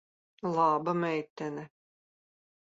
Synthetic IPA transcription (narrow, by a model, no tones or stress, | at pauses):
lˠɑːbɤmæjt̪ːænɘ